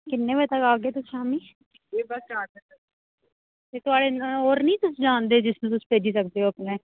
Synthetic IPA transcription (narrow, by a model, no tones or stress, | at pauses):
kɪnːẽːʋət̪əkaːɡeːt̪ʊsaːmĩː | d͡ʒeːbəsaːsəə | t̪eːt̪ʊaːɽeːnoːɾnəĩːt̪ʊsd͡ʒaːnd̪eːd͡ʒɪsnũːt̪ʊspeːd͡ʒiːsək̚d̪eːɦoːəpnẽː